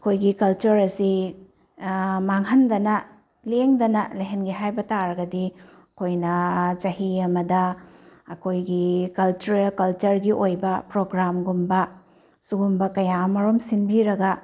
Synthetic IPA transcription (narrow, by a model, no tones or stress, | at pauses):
ɐkʰojɡikɐlt͡ʃɐɾɐsi | maŋɦɐndɐnɐ | leŋdɐnɐlɐɦenɡiɦajbɐtaɾɐɡɐdi | ɐkʰojnɐt͡ʃɐhiɐmɐdɐː | kʰojɡikɐlt͡ʃuɾɐlkɐlt͡ʃɐɾɡiʔojbɐpɾoɡɾamɡumbɐ | suɡumbɐkɐjamɐɾomsinbiɾɐɡɐ